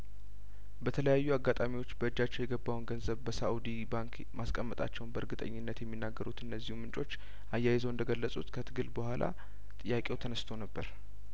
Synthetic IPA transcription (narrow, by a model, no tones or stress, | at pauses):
bət̪ʰələjajːuaɡːat̪ʼamiwo̞t͡ʃːbəɨd͡ʒːat͡ʃːɛwjɛɡəbːawnɡənzəβbəsaud̪ibaŋkʰ | maskʼəmːət̪ʼa̰t͡ʃːɛwnbəɨɾɡɨt̪ʼə̰ɲːɪnːət̪jɛmːinːaɡːəɾut̪ɨnːəzːihumɨnt͡ʃʼo̞t͡ʃː | ʔajːajɪzoɨnd̪əɡəlːəsʼut̪kʰət̪ʰɨɡɨlbəhʷalʔa̰ | t̪ʼɨjːakʼe̞wt̪ʰənəst̪ʰo̞nəbːəɾ